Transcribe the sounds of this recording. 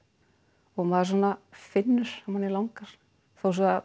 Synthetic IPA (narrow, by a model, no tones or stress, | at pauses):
ɔɣmaðaɾs̬anːafɪnːʏɾ̥amanilawŋkaɾ̥ | θows̬ɔa